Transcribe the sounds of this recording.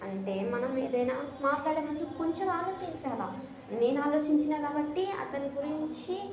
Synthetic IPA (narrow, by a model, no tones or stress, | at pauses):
ɐɳʈe̞ːmɐnɐme̞̰ːd̪ɐjnaːmaːʈlaːɽeːmɐd̪ʰlukuɲt͡ʃɐmaːlo̞ːt͡ʃiɲt͡ʃaːlaː | ne̞ːnuaːlo̞ːt͡ʃiɲt͡ʃinaːkaːbɐʈːiɐ̰t̪ɐniɡuɾiɲt͡ʃi